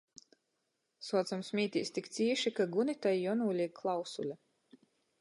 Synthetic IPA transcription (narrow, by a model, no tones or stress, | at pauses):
suɔzamsmʲiːt̪ʲḭːst̪ikt̪siːɛʃikaɡunit̪ajːɔnuːlʲikʰlˠawsulʲa